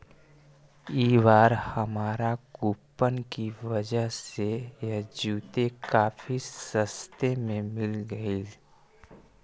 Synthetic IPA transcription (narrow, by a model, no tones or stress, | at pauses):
iːʋaːɾhəmaːɾaɡuːpːənkiʋəd͡ʒəɦsejad͡ʒuːt̪ekaːfisəst̪emẽmɪlɡəi